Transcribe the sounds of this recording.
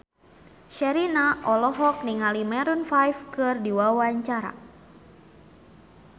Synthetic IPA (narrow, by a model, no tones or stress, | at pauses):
ʃɛɾinaʔɔlɔɦɔk̚niŋalimɛɾunfajfkɨrdiwawaɲt͡ʃaɾa̰